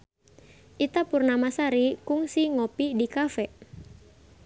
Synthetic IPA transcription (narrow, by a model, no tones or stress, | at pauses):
ʔit̪apurnamasaɾikʊŋsiŋopidikafɛ